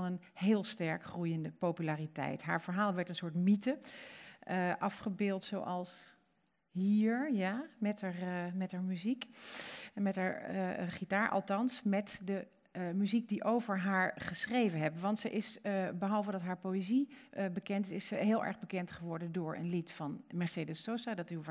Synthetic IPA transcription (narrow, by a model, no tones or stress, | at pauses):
nən | hɪːlˠstɛɹkχrujəndəpopylaːritɛ̰jtɦa̰ːɹvəɹɦaːlˠʋɛɹtənsʊːɹtmitə | ʔɑfχəbɪːlˠtso̰wʔɑlˠs | ɦiːɹjamɛtamɛtɦaɹmyzik | mɛtɦaːɹχitaːɹʔɑ̰lˠtɑnsmɛtdə | myzik̚diʔowvəɹɦaːɹχəsrejvənɦɛpʋɑntsə̰ʔɪsbəɦɑlˠvədɑtɦaːɹpowezibəkɛntɪsɦɪːlˠʔɛ̰ɹχbəkɛntχəʋɔɹdəndʊːɹə̰nlitfɑnmɛɹsedəsosadɑtyʋ